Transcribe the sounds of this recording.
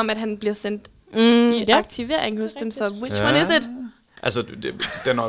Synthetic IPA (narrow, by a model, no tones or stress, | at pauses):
ɒ̽mæd̥ɦænb̥liɐsen̰d̥ | iɑ̈ɡ̥̚t͡sʰiʋe̝ɐ̰eŋhɔsd̥emsɒ̽wimænesɪd̥ | ʔælsə̥d̥enɒ